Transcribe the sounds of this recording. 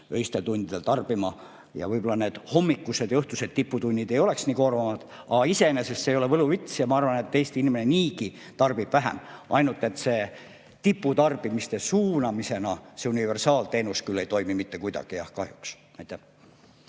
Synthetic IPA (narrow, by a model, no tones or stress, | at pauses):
øist̪e̞lt̪unʲd̪̥id̪elt̪ɑrb̥imɑ | jɑ̰vɤjbo̞lːɑne̞ːd̪̥ho̞mːikːˑused̪jɤht̪use̞d̪̥t̪ipːut̪unʲːid̪e̞jo̞le̞ksniːko̞rvɑmɑd̪̥ | ɑ̰ɡ̥ɑise̞enese̞st̪sejo̞le̞vɤluvit̪sjɑmɑɑrvɑne̞t̪ːejst̪iinimeneniːki | t̪ɑrb̥ib̥væɦḛmʔɑ̰jnult̪ːˑe̞t̪ːse̞ː | t̪ipːut̪ɑrb̥imist̪e̞suːnɑmise̞nɑse̞unive̞rsɑːlt̪e̞ːnuskylːe̞jt̪o̞jmimit̪ːe̞kujd̪ɑ̰ɡ̥ijɑ̰hkɑhjuks | æjt̪ːˑæ